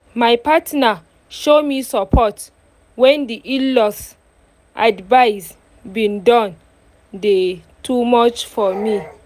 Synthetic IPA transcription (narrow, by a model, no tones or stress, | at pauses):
majpatna | ʃomisɔpʰɔt | wɛ̃ndiʔilɔs | ʔadvaɪs | bĩndɔ̃n | de | tʰumɔt͡ʃfɔmi